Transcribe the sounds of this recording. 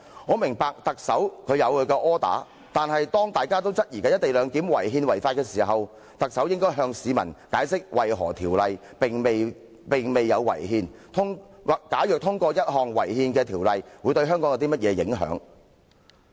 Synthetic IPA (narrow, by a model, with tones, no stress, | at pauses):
ŋɔː˨˧mɪ˨˩ŋpaː˨k̚t̪ɐ˨k̚sɐ˨˥wkʰɵ˨˧ɥjɐ˨˧wkʰɵ˨˧kɛː˧ʔɔː˥t̪a̰ː˨˥ | t̪aː˨nhɐ˨jt̪ɔː˥ŋt̪aː˨jkaː˥t̪̬o˥wt͡sɐ˥t̚jiː˨˩kaː˧jɐ˥t̪e˨jlœː˨˧ŋki˨˥mwɐ˨˩jɦiː˧nwɐ˨˩jfaː˧t̚kɛː˧siː˨˩ɦɐ˨w | t̪ɐ˨k̚sɐ˨˥wjɪ˥ŋkɔː˥jɦœː˧ŋsiː˨˧mɐ̰˨˩nkaː˨˥jsɪ˥k̚wʔɐ˨jɦɔ̰ː˨˩t̪ʰiː˨˩wlɐ˨j | pɪ˨ŋme˨ | pɪ˨˩ŋme˨jːɐ˨˧wːɐ̰˨˩jɦiː˧nt̪ʰʊ˥ŋ˨kaː˨˥jœː˨k̚t̪ʰʊ˥ŋkɔː˧jɐ˥t̚ɦɔː˨˩ŋwɐ̰˨˩jhiː˧nkɛː˧t̪ʰiː˨˩wlɐ˨jwu˨˧t̪ɵ˧ɥɦœː˥ŋkɔː˨˥ŋjɐ˧t̪i˥mɐ˥t̚jɛː˨˧jɪ̰˨˥ŋɦœ̰ː˨˥ŋ